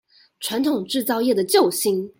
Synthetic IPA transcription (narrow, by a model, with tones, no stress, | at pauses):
ʈ͡ʂʰwa˧˦nt̪ʰʊ˨˩ŋʈ͡ʂɻ̩˥˧t͡sɑ˥˧ʊjɛ˥˩d̪ə˩t͡ɕjo˥˨ʊɕi˧˥ŋ